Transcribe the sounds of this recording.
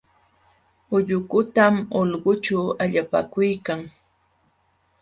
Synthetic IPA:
ʊʎʊkʊt̪amolɢʊt͡ʃawaʎapa̰kʊjkaŋ

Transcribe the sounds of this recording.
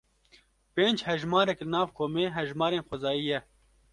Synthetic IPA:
peːnd͡ʒhɛʒmɑːɾɛklɨnɑːvkʰoːmeːɦɛʒmɑːɾeːnxʊzɑːjiːjɛ

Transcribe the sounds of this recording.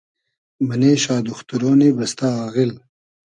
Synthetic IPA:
mɐneːɕaːd̪ʊxt̪uɾoːnebɐst̪aːɣil

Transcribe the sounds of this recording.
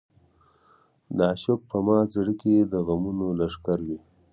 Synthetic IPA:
d̪aʃʊk̚pəmɑt͡saɽiked̪əɣamunolaʂkaɾwi

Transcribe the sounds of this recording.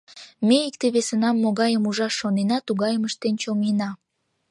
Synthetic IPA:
meik̚t̪eβesənɑmːoɣɑjəmuʒɑʃːonenɑt̪uɣɑjəməʃt̪ent͡ɕomenɑ

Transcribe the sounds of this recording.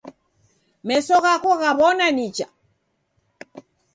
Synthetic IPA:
mɛsɔɣakɔɣaβɔnanit͡ʃa̰

